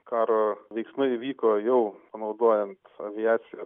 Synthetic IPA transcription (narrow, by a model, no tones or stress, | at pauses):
kɑːɾoːʋʲɛɪksmɐɪiʋʲiːkoːjɛʊpɐnɒʊd̪oːjɛnt̪ɐʋʲɪæːt̪sʲɪjɛ